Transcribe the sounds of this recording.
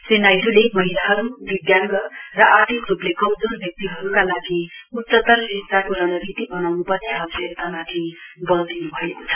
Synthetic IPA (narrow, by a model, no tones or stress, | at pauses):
senajɾulemʌɦilaɦʌɾubiɡ̪jaŋɡʌrʌʔat̪ʰikɾuplekʌmd̪onbjʌk̚t̪iɦʌɾukalaɡiut̪ːʌt̪ːʌlsinsakuɾanʌɾit̪ibʌnawnupʌniɦaset̪amat̪ʰibʌld̪inubʱʌekot͡sʰʌ̥